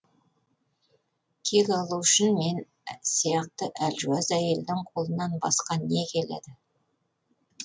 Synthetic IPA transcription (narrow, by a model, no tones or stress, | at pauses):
kʲʰeɡʲɑlˠuʏʃɪnme̞n | sijɑq̚t̪əʔælʒuɑzæje̞ld̪ɪŋqʰo̞lˠənɑnbɑ̰sqɑne̞kʲʰe̞lḛd̪ɪ